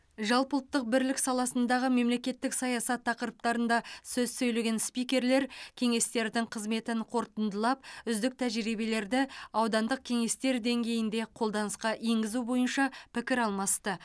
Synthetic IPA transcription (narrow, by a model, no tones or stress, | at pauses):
ʒɑlˠpəlˠət̪ːəq̚bɪɾlɪksɑlˠɑsənd̪ɑʁəme̞mle̞kʲe̞t̪ːɪksɑjɑsɑt̪ʰːɑqəɾəp̚t̪ɑɾənd̪ɑsɵzsɵjle̞ɡʲe̞nspijkʲe̞ɾle̞ɾkʲʰe̞ŋe̞st̪e̞ɾd̪ɪŋqʰəzme̞t̪ɪɴqʰo̞ɾt̪ənd̪əlˠɑp̚ʏzd̪ɪk̚t̪ʰæʒɾijbe̞le̞ɾd̪ɪɑwd̪ɑnd̪əq̚kʲʰe̞ŋe̞st̪e̞ɾd̪e̞ŋɡʲe̞jɪnd̪e̞qʰo̞lˠd̪ɑnəsqɑʔeŋɡʲɪzubo̞jənʃɑpʰɪkʲɪɾɑlˠmɑst̪ə